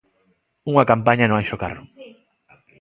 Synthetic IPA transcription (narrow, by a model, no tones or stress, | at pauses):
uŋakampaɲanõŋajʃoka̰rʊ